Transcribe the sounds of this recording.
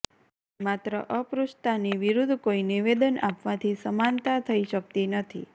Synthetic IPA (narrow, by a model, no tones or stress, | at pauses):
mat̪ɾəʔəpɾust̪aniʋiɾud̪ʱkoiniʋed̪ənapʋãt̪ʰisəmant̪at̪ʰəiʃək̚t̪inət̪ʰḭ